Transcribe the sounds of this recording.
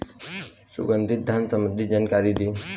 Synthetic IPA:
sṵɡənd̪ʱit̪̚d̪ʱansəmənd̪ʱid͡ʒankaɾid̪i

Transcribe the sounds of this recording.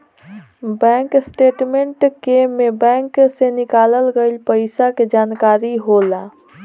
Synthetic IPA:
bɛ̃ːŋksʈeːʈmeɳʈkemebɛ̃ːŋksenɪkaːləlɡəɪlpəɪsaked͡ʒaːnkaːɾiɦola

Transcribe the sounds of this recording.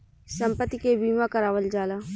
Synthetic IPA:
sɐ̃mpət̪ːikebiːmãkɐɾaːʋəld͡ʒaːlaː

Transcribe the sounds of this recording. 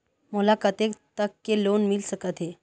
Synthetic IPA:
molakət̪ekt̪əkːelonmilsəkət̪ʰe

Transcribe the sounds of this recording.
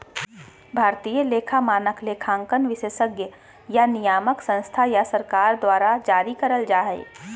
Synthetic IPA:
bʱaːɾt̪ijəleːkʰamaːnəkleːkʰãːŋkənʋɪʃeːʃəɡjə | janɪjaːməksə̃nst̪ʰajasəɾkaːɾd̪waːɾad͡ʒaːɾikəɾəld͡ʒaːɦḛː

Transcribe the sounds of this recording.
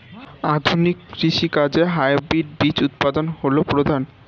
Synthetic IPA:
ad̪ʱunikːɾiʃikad͡ʑeɦajbiɾ̚bit͡ɕut̪̚pad̪onholopɾod̪ʱan

